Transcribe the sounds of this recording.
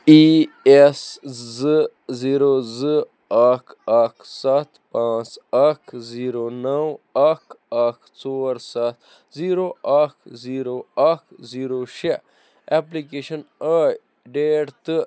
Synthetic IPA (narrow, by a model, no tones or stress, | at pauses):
i | eszɨ | ziːɾozɨ | aːkʰakʰsat̪ʰpãːt͡sɐkʰziːɾonɐwakakʰt͡soːɾsat̪ | ziːɾoakʰziːɾoakziːɾoʃe | eplikeːʃɐnaj | ɖeːɖt̪ɨ